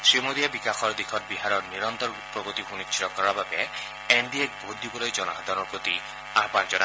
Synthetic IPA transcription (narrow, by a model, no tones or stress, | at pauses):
sɹimod̪iabikaxʰɔɹd̪ikʰɔt̪̚biɦaɾɔɹniɾɔnt̪ɔɾupːɔɡot̪iɦunit͡ʃʰːiɾɔkɔɹababɛ | ɛnd̪iɛk̚bʱot̪̚d̪ibɔlojd͡ʒɔnaxad̪ʱaɾɔpɹot̪i | apand͡ʒɔna